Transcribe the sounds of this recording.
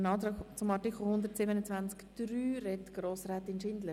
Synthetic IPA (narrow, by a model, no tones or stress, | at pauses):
nɑːt̪ɾɑːkt͡sʊmɑtikʰl̩ˠhʊnd̪əɾtsɪbənət͡svant͡skd̥ryːrɛtɡ̥ɾoːsrɛːtɪnʃɪndlə